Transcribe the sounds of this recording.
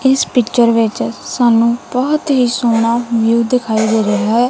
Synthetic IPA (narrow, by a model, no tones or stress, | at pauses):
ɪspɪkt͡ʃəɾʋɪt͡ʃsaːnũːbəɦʊt̪ɦiːsoːnaːʋjuːd̪ɪkʰaːiːd̪eːɾəɦaːɛː